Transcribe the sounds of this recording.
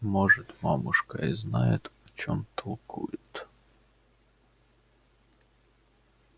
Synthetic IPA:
mɔʐɛt̪mamʊʂkaiznajɛ̰t̪ɔt͡ɕɔmt̪ʰɐlˠkʰujɪt̪

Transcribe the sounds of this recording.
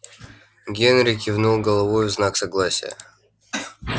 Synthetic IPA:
ɡʲenɾʲɪkʲɪvnulˠɡəlˠɐvojvznaksɐɡlˠasʲɪ̰jə̰

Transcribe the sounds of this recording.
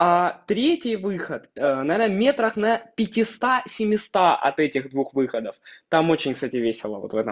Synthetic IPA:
at̪ɾʲetʲɪjvɨxət̪ənɐvʲernəmʲe̞t̪ɾəxnɐpʲɪtʲɪst̪asʲɪmʲɪst̪aʔɐ̰t̪ɛtʲɪɣd̪vuxvɨxəd̪əft̪amo̞t͡ɕɪnʲkst̪atʲɪvʲesʲɪlˠə̰vot̪vɛt̪ə

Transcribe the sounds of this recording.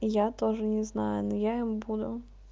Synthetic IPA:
jat̪ɔʒnʲɛznɑ̰jʊnjajimbud̪ʊ

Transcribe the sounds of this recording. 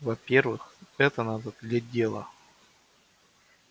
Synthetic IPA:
vɐpʲervɨxɛt̪ənad̪əd̪lʲadʲelˠə̰

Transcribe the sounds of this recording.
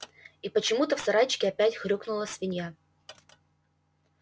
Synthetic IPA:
ipət͡ɕɪmut̪əfsɐɾajt͡ɕɪ̥kʲɪɐpʲætʲxɾʲoknʊlˠəsʲvʲɪnʲja

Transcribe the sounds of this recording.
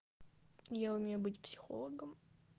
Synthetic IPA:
jaʊmʲejʊbɨtʲpsʲɪ̥xo̰lˠəɡəm

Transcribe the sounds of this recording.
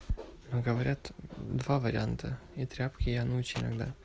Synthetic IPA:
noɡəvɐɾʲʔat̪d̪vavəɾʲɪ̰ant̪ʰəit̪ɾʲapkʲɪjanɐut͡ɕɪnɐ̰ɡd̪a̰

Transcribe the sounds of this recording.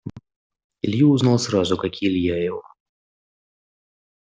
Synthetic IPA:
ḭlʲjuuznalˠsrazʊkakʲilʲjajaw

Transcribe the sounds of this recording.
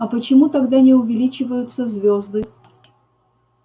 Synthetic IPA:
ɐpət͡ɕɪmut̪aɡd̪anʲɪʊvʲɪlʲit͡ɕɪvəjʊt̪səzʲvʲozd̪ɨ

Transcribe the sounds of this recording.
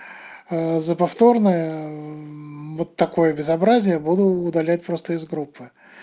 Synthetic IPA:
əzəpɐft̪o̞rnəjə | vot̪ːɐko̞jəbʲɪzɐbɾazʲɪjəbud̪ʊːd̪ɐlʲæt̚ʲpɾo̞st̪əɪzɡɾupːɨ

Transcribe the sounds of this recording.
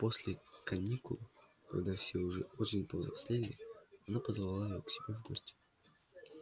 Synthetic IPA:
po̞sʲlʲɪkɐnʲikʊlˠ | kɐɡd̪afsʲeʊʐɛo̞t͡ɕɪnʲpəzɾɐsʲlʲelʲɪɐnapəzvɐlˠlˠajɪjoksʲɪbʲevɡosʲtʲɪ̥

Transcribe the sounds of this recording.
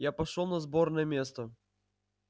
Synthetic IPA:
japɐʂolˠnɐzbornəjəmʲest̪ə

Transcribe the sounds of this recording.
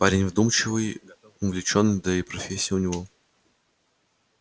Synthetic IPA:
paɾʲɪnʲvd̪umt͡ɕɪvɨj | ʊnvlʲɪt͡ɕonːɨjd̪ɐipɾɐfʲesʲːɪiːʊnʲɪvo

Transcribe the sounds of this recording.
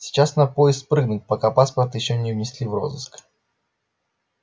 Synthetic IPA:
sʲɪ̥t͡ɕasnɐpojɪskt̪̚pɾɨɡnʊt̚ʲpɐkapaspərt̪jɪɕːonʲɪvnʲɪsʲlʲivro̞̰zɨsk

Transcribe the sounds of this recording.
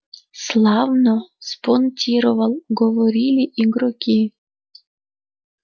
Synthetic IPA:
slˠɑvnosponʲtʲiɾovɑlˠɡovoɾʲilʲiʔiɡɾokʲi

